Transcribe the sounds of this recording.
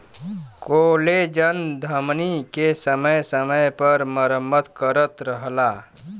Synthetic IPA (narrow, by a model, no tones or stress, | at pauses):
koːled͡ʒənd̪ʱəmnikesəməjsəməjpəɾməɾəmːət̪kəɾət̪ɾəɦlaː